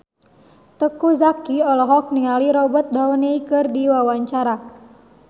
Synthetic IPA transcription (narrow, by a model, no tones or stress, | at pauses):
t̪əkuzakiɔlɔɦɔk̚niŋaliɾɔbɔt̪̚d̪aɔneikɨrdiwawaɲt͡ʃaɾa